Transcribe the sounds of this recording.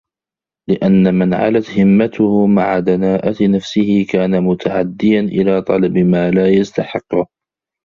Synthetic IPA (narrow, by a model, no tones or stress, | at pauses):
lɪʔanːamanʕa̰lat̪hɪmːat̪ʊhʊmaʕad̪anaːʔat̪nafsɪhɪkaːnamʊt̪ʰaʕa̰d̪ːɪjanʔɪlaːt̪ˤɑlɑbmaːlaːjast̪aħɪqːʊ